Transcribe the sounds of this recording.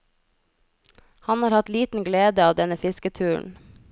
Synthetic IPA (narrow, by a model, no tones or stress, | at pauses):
hɑnhɑːɾhɑt̪liːt̪n̩ɡleːd̪əɑːʋd̪ɛnəfɪskət̪ʰʉːɳ̩